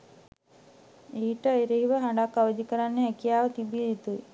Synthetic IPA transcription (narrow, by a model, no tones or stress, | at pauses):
eːiʈəːjɾeɦiʋəɦaɳɖakːaʋəd͡ʒ̪ikəɾanːeɦɛkijaːʋət̪ibiit̪u